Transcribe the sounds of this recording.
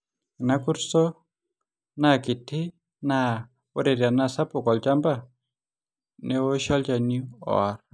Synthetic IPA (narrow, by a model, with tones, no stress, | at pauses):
na˦ku˦ɾsɔ˦ | na˦˨kɪ˨tʰɪ˦ | na˦˨ | ʊ˦ɾe˨ɾi˨a˨na˦˨sa˦pʊ˨kɔ˨lt͡ʃa˦mba˦ | ne˦o˦ʃɔ˦ld͡ʒa˨ni˦ɔ̰˨ɾ